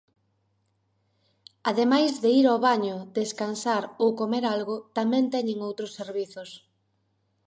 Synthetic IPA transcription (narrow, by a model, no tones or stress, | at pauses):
aðemajzðeiɾoβaɲod̪eskansaɾowkomeɾalɣʊt̪amɛ̃nt̪ɛɲeŋowt̪ɾosːeɾβiθʊs